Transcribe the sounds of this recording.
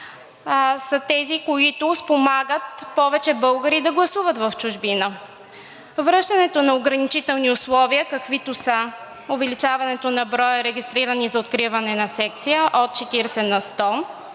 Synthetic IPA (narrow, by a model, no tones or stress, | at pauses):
sɐt̪ɛzikoit̪ʊspomaɡət̪̚pɔvɛt͡ʃɛbɤlˠɡəɾid̪ɐɡlˠɐsuvət̪vɐft͡ʃʊʒbinə | vɾɤʃt̪ɐnɛt̪onɐoɡɾɐnit͡ʃit̪ɛlˠniʊslˠɔviəkɐkvit̪ʊsə | ʊvɛlit͡ʃavɐnɛt̪onɐbɾɔjəɾɛɡʲist̪ɾiɾənizɐot̪kɾivɐnɛnɐsɛk̚t̪sijəʔot̪̚t͡ʃɛt̪iɾsɛnɐst̪ɔ